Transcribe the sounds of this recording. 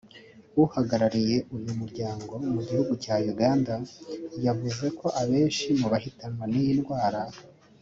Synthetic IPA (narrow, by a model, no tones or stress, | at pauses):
uhaɡaɾaɾije̞ʔujumuɾɟaːŋɡo̞muɟihuɡucaːjuɡaːndajavuze̞ko̞ʔaβe̞ːnʃimuβahitanwanijinɡwaːɾa